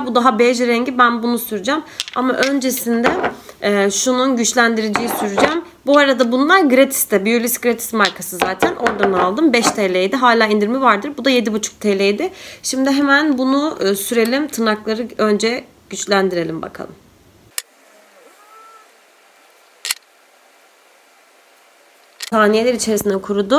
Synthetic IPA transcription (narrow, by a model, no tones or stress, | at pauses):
bud̪aɦabɛd͡ʒɾɛɲɟibænbunusyɾyd͡ʒæmama̰ʔø̞nd͡ʒe̞sind̪ɛː | ʃununɟyt͡ʃlʲænd̪iɾed͡ʒijisyɾyd͡ʒæm | buaɾad̪abunlˠaɾɡɯɾet̪ʰi̥st̪ɛbijulʲisɡɾet̪ʰi̥smaɾkʰasɯzaːt̪ʰænʔo̞ɾd̪anɯalˠd̪ɯmbɛʃt̪ʰelʲejd̪iɦaːlʲaːind̪iɾmivaɾd̪ɯɾbud̪aje̞d̪ibut͡ʃʰu̥k̚t̪ʰelʲejd̪ɪʃimd̪ɪɦemænbunuːsyɾe̞lʲimt̪ʰɯnaklˠaɾɯø̞nd͡ʒɛ | ɟ̥yt͡ʃlʲænd̪iɾe̞lʲimba̰kʰa̰lˠɯ̰m | saːnijelʲɛɾit͡ʃʰe̞ɾisind̪ɛkʰuɾud̪ʊ